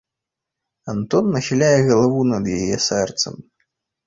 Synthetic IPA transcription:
ant̪ɔnːɐxʲilʲajɛɣɐlˠavunɐd̪jajɛsɛrt̪sɐ̰m

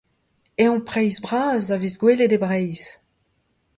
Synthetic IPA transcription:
eɔ̃pχɛjzbʁaːzavizɡweled̪ebʁɛjz

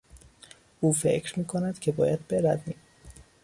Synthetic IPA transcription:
uːfe̞̰cʰɾmiːkʰo̞næd̪̥cʰe̞bɒːjæd̪̚beɾæd̪ni

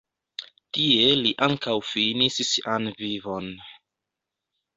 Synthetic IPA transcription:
tieliʔaŋkawfinissiʔanvivo̞n

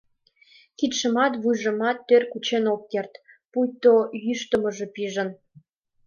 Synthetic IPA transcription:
kit̪ʃə̆mɑt̪βujʒə̆mɑt̪ːørkut͡ɕenokːert̪ | pujt̪ojyʃt̪əmə̆ʒepiʒə̆n

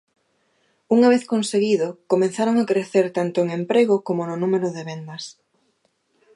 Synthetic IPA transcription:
uŋaβ̞eθkonseɣiðʊkomẽnθaɾoŋakɾeθeɾt̪ant̪ʊeŋẽmpɾeɣʊkomʊnʊnumeɾʊðeβend̪ɐs

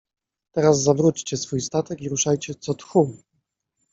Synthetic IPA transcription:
t̪ɛɾazːavɾut͡ɕt͡ɕɛsfujst̪at̪ɛkiɾuʂajt͡ɕɛt̪sɔt̪xu

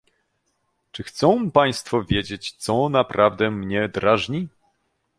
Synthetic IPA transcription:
t͡ʂɘxt̪sɔ̃w̃paj̃st̪fɔvʲjed͡ʑet͡ɕt̪sɔnapɾʔavd̪ɛmɲɛd̪ɾʔaʐɲi

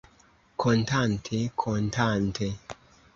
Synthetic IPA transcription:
kʰɔntʰantʰekʰɔntantʰe

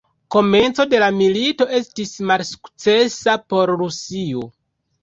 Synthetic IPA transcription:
ko̞me̞nt͡so̞de̞lamilito̞ʔe̞stismalsu̥kt͡se̞sapo̞ɾɾusio

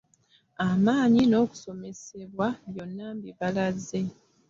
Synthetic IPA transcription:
amaːɲino̞ːku̥so̞me̞se̞βwaβjo̞nːambiβalazːe̞

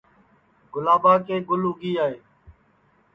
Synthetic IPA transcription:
ɡʊlaːbaːkeːɡʊlɦʊɡiːaːɦeː

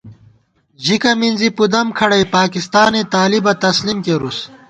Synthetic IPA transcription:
d͡ʑikɐminzipud̪ɐmkʰɐɽɐjpaːkist̪aːnet̪aːlibɐt̪ɐslimkeɾus

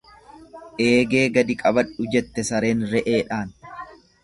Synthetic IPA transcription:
ʔe̞ːɡeːɡɐd̪ɪkʼɐbɐᶑʊd͡ʒɛt̪ːɛsɐɾe̞ːnɾɛʔeːᶑaːn

